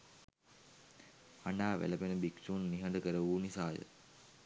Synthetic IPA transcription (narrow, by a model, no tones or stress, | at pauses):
anaːʋæ̰ləbenəbiksuːnːiɦɐɳɖəkəɾəʋuːnisaːjə̰